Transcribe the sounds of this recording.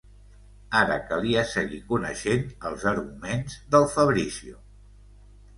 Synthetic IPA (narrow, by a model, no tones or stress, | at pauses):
aɾə̰kəliəsəɣikunəʃenəlˠzəɾɣumenzðəlˠfəβɾisiu